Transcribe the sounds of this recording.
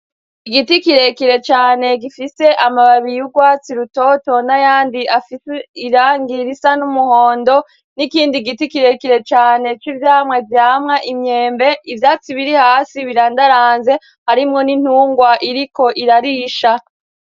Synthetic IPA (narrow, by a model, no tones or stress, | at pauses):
iɡitikiɾe̞kiɾe̞t͡ʃaːne̞ɡifise̞ʔamaβaβijuɡwaːt͡siɾuto̞to̞najaːndiʔafiseiɾaːŋɡiɾisanumuho̞ːndo̞ | nikiːndiɡitikiɾe̞kiɾe̞t͡ʃaːne̞t͡ʃivjaːmŋe̞vjaːmŋaʔimɲe̞ːmbe̞ʔivjaːt͡siβiɾihaːsiβiɾaːndaɾaːnze̞ | haɾimŋo̞nin̥huːŋɡwaʔiɾiko̞ʔiɾaɾiʃa